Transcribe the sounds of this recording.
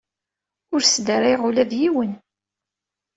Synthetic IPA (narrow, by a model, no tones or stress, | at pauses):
ʊɾsd̪əɾajʁʊlæðjiwən